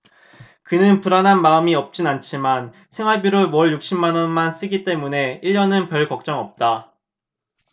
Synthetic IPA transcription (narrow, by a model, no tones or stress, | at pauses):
kɯnɯnpuɾanɦanmaɯmiʌp̚t͡ɕ͈inant͡ɕʰiman | sʰe̞ŋwaɭbjiɾɯmwʌɭjuk̚ɕ͈imːanʌnmans͈ɯɡit͈e̞mune̞iʎːʌnɯnpjʌɭkʌk̚t͡ɕ͈ʌŋʌp̚t͈a